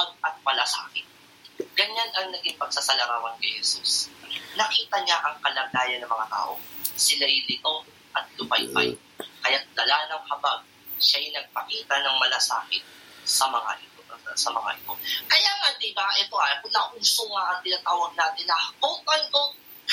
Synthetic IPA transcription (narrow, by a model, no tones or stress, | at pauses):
pɐɡ̚ɐt̪̚mɐlasʔa̰ːkɪn | ɡɐɲanɐŋnɐɡɪŋpɐɡ̥̚sasɐlɐɾaːwɐnkɐjhɛsusnɐkiːt̪ɐɲaʔɐŋkɐlɐɡaːjɐnːɐmɐŋat̪a̰ːʔo̰sɪlajlɪt̪o | ʔɐt̪̚lʊbajpa̰j | kɐjat̪̚d̪ɐlaːnɐŋhɐbaɡ̚ | ʃajnɐɡ̚pɐkiːt̪ɐnɐŋmɐlasa̰ːkɪn | sɐmɐŋa̰ʔɪt̪osɐmɐŋa̰ʔɪt̪o̞kɐjaːŋɐnd̪imɐŋaʔɛt̪oʔɐɐkʊnɐʔuːsoŋaʔɐŋt̪ɪnat̪aːwɐɡ̚naːt̪ɪnɐhʔoŋpɐno